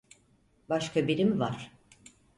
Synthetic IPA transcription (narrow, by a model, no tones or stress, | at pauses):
baʃkʰabiɾimvaɾ̥